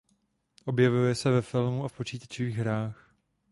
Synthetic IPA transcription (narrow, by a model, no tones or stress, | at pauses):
ʔo̞bjɛvujɛsɛvɛfɪlmuafpot͡ʃiːt̪ḁt͡ʃɪviːɣɦɾaːx